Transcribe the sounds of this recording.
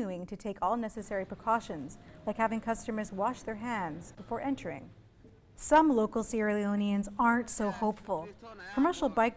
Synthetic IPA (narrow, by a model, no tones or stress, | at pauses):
uɪ̃ŋtʰɨtʰeɪkʰɔlˠnɛsɨsɛɹipʰɹ̥ɨkʰɔʃɨ̃nz̥laɪkhævɪ̃ŋkʰʌstəmə˞zwɑʃðə˞ɦæ̃ndzbəfɔɹʔɛ̃ntʰə˞ɪ̰̃ŋ | sʌ̃mloʊkl̩ˠsiɹiõʊ̃niɨ̃nzɑɹntsoʊhoʊpfəl̩ˠkʰəmɜ˞ʃl̩ˠbaɪk